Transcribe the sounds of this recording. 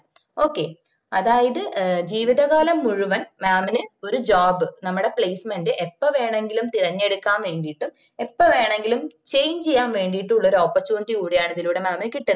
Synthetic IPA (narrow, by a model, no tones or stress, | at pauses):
o̞ːkːe̞ | ɐðaːjɐðɨd͡ʑiːʋiðɐɣaːlɐmːuɻuʋɐnmaːmɐnɨo̞ɾud͡ʑaːbɨnɐmːuɽe̞pɭejsmendɨʔepːɐʋe̞ːɳe̞ŋɡilumt̪irɐɲːe̞ɽukːaːnʋe̞ːɳɖijiʈːum | epːɐʋe̞ːɳe̞ŋɡilumt͡ɕe̞jɲt͡ɕejːaːnʋe̞ːɳɖijiʈːuɭːɐo̞ːɾuoːpːɐrt͡ɕːuːniʈːikuːɽijaːɳɐðiluːɽemaːmɐnɨkːiʈːunː